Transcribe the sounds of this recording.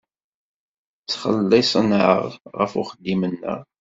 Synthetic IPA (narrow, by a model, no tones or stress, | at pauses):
t͡sːχə̰lːɪsˤənʕə̰ʁʁəfʊ̰χəd̪ːimənːə̰ʁ